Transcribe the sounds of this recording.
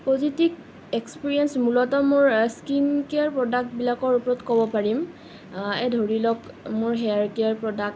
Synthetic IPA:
pozitib | ekspiɹiɛnsmulɔtɔmʊɹskinkeaɹpɹɔdak̚tbilakɔɹupɔɹɔtkɔbɔpaɹim | edʱoɹilɔk | mʊɹɦɛaɹkeaɹpɹɔdak̚t

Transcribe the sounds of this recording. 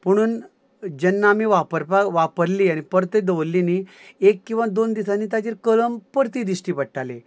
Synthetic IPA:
məɽ̃uːn | d͡ʑənːamiʋapəɾpaʋapəɾliːaɽ̃ipəɾt̪ed̪əʋlːini | ekːĩw̃ʋad̪ond̪isanːiːt̪ad͡ʑeɾkələmpəɾt̪id̪isʈipəʈʈale

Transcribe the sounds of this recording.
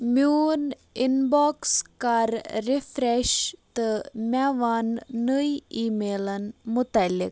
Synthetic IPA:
mjun | inbɔkskaɾːifɾɛɕt̪əmʲaʋanːəjimelənmut̪alːḭk̚

